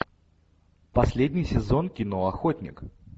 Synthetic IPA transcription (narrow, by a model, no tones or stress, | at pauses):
pɐsʲlʲedʲnʲɪjsʲɪzo̞nkʲɪno̞ɐxo̞tʲnʲɪ̰k